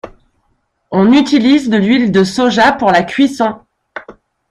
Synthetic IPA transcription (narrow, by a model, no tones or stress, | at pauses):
ɔ̃nyt̪ilizd̪əlɥild̪əsoʒapuʁlakʲɥisɔ̃